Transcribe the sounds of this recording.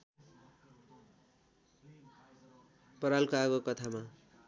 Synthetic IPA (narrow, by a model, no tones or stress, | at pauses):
pʌɾalkoaɡokʌt̪ʰama